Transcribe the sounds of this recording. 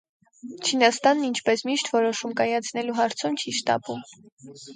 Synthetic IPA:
t͡ʃʰinɑst̪ɑnːint͡ʃʰpɛsmiʃt̪ʰvɔɾɔʃumkɑjɑt͡sʰnɛluɦɑɾt͡sʰumt͡ʃʰiʃt̪ɑ̰pum

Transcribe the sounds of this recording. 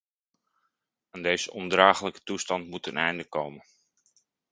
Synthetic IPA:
aːndejzəʔɔndraːχələkə̥tustɑntmutənɛjndəkowmə

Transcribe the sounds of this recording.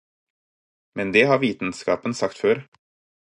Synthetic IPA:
mɛnd̪eːhɑːɾʋiːt̪n̩skɑ̰ːpənsɑkt̪føːɾ

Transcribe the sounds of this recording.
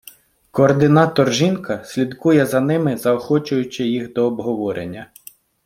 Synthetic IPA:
kɔːrd̪ɪnɑt̪ɔrʒinkɐsʲlʲid̪kujɛzɐnɪmɪzɐɔxɔt͡ʃʊjʊt͡ʃɪjixd̪ɔːbɦɔʋɔɾʔḛnʲːɐ

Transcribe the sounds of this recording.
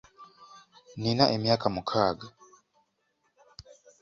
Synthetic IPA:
ninaʔemjaːkamukʰaɡa

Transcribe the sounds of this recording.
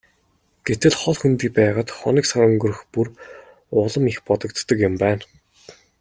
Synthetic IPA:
ɡ̥et̪ɘ̆ɮχɔɮxunt̪iːk̚pæːʁaːt̪χɔ̰niːksaɾɵŋɡɵ̆rɵ̆xpur | ʊɮə̆mixpɔt̪ɞ̆kt̪ːə̆kjʊ̆mpæːn

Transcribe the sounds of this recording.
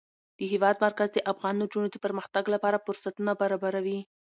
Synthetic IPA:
d̪̥əɦɪwɑd̪maɾkazd̪əʔafɣɑnːod͡ʒunod̪əpəɾməxt̪aɡlapɑɾafʊɾsat̪unabaɾɑbaɾawi

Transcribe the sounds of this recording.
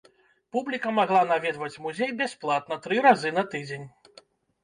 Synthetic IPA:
publʲikɐmaɣlˠanavʲɛd̪vɐt͡sʲmuzʲejbʲasplˠat̪̚nɐt̪ɾɨɾazɨnɐt̪ɨd͡zʲenʲ

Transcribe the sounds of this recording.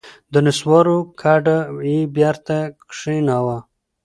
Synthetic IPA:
d̪ənɪswɑɾokʰaɖaibjaɾt̪akkʂinawa

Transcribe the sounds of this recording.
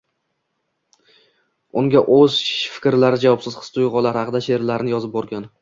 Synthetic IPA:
ʊŋɡʲaʔɵzfɪ̥kʲɾlaɾɪd͡ʒavɒpsɪz̥χɨ̥st̪ʊjʁɒlaɾhɑqɨd̪aʃe̞ɾlaɾɪnɪjɒzɪp̚bɒɾɡʲan

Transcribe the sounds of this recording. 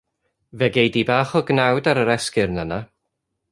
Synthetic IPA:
vɛɡejdibaːχɔɡnawdaɾəɾɛskɪɾnəna

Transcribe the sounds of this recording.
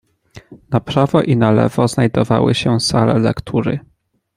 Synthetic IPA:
napɾavɔʔinalɛ̰vɔznajd̪ɔvawɘɕɛsalɛlɛkt̪ʰuɾɘ̰

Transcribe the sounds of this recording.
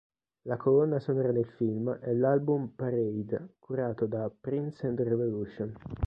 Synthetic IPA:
lakʰolɔnːasonɔːɾad̪elfilmɛlːalbumpaɾɛjd̪kʰuɾaːt̪od̪apːɾinsɛ̃nd̪revoluʃon

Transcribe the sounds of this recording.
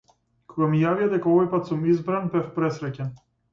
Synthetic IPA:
kʰɔɡamijavijad̪ɛkaɔvɔjpat̪sumizbɾanbɛfpɾɛsɾɛcɛn

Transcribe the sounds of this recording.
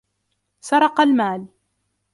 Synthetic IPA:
sɑɾˤɑqɑlmaːl

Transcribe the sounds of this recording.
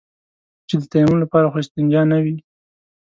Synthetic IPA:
t͡ʃed̪ət̪ɑjamunolapɑɾaxoɪst̪ɪnd͡ʒɑnawi

